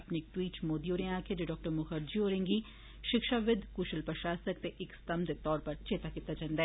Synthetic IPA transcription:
ɐpneɪk̚ʈwiːʈt͡ʃmoːd̪ioːɾẽaːkʰed͡ʒeɖɔːk̚ʈəɾmʊxəɾd͡ʒioːɾẽːŋɡi | ʃɪkʃaʋɪd̪ʱkuːʃəlpɾəʃaːsəkt̪eʔɪkst̪ɐmd̪et̪ɔːɾpɐɾt͡ʃeːt̪akit̪ad͡ʒãːnd̪aɛː

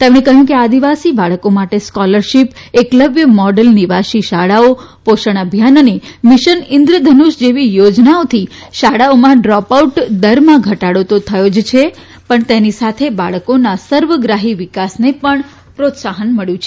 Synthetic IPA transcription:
t̪emɽ̃ẽkəɦjũkead̪iʋasibaɭkomaʈeskɔləɾʃipekləbʱjəmɔɖəlniʋaʃiʃaɽao | poʃəɳ̃əbʱjanənemɪʃənɪ̃nd̪ɾəd̪ʱənuʃd͡ʒeʋijod͡ʒnaot̪ʰiʃaɽaomãɖɾɔpauʈd̪əɾmãɡʱəʈaɽot̪ot̪ʰəjod͡ʒt͡ʃʰe | pəɳt̪enisat̪ʰebaɭəkonasəɾʋəɡɾaɦiʋɪkasnepəɳ | pɾot̪saɦənməɭjũt͡ʃʰe

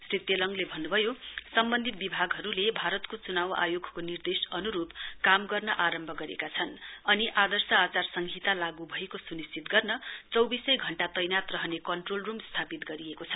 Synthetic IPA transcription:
srit̪jelʌŋlebʱʌnːubʱʌjosʌmbʌnd̪ʱit̪̚bibʱaɡɦʌɾulebʱaɾʌt̪kot͡sunawa̰joɡʱkonird̪esʌnuɾupkamɡʌrnʌʔaɾʌmbʱʌɡʌɾḛkat͡sʰʌnʌniʔad̪ʌrsʌat͡sarsʌŋɡʱit̪alaɡubʱʌekosunist͡sit̪ɡʌrnʌt͡sʌwbisʌjɡʱʌɳʈat̪ʌjnat̪rʌɦʌnekʌɳʈrolrumst̪ʰapit̪ɡʌɾiekot͡sʰʌ

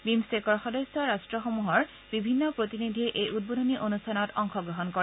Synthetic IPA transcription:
bimsekɔɹxɔdesjɔɹastɹɔxomuɦɔɹ | bibʱinːɔpɹotinid̪ʱiʔejud̚bodʱoniʔonustʰanɔtɔŋxɔɡɹɔɦɔnkɔɹɛ

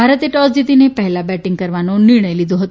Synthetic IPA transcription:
aɾət̪ieʈɔsd͡ʑ̪it̪inepəɦlabæʈiŋɡkəɾʋanoniɾɳ̃əjlid̪oɦot̪

